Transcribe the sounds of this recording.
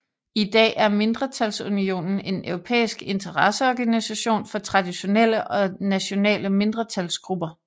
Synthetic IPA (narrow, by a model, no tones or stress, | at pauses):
id̥ɛ̰ːæɐme̝nd̥ʁɐt͡sʰælsunio̝̰ːnn̩e̝nøʊʁo̝pʰḛːisɡ̥e̝nt͡sʰɐʁɑsəɒɡ̥ænisæɕo̝̰ːnfɒ̽t͡sʰʁɑ̈d̥iɕo̝nel̰əʔɒ̽næɕo̝nɛ̰ːləme̝nd̥ʁɐt͡sʰælsɡ̥ʁub̥ɐ